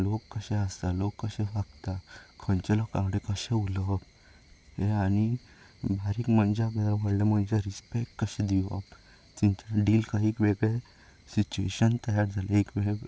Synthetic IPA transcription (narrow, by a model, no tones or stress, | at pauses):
lokːəɕɛ̃əst̪alokːəɕɛ̃ʋaɡ̚t̪akʰənt͡ɕelokãʋɽekəɕɛ̃uləb | heaɽ̃i | bʱaɾiːkməɳd͡ʑaɡd̪aɾʋʱəɽlem̤əɳd͡ʑeɾispekʈkəɕɛ̃d̪iʋab | t̪iɲt͡ɕaɖiːlkaɦiːkʋeɡɭe | sit͡ɕuḛɕənt̪əjaɾd͡zʱalaekʋee